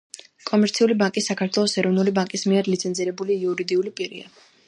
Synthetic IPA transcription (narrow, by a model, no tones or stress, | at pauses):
kʼɔmɛɾt̪sʰiulibaŋkʼisːakʰaɾt̪ʰwɛlˠɔsɛɾɔvnulibaŋkʼismiɛɾlit̪sʰɛnziɾɛbuliːuɾid̪iulipʼiɾḭa̰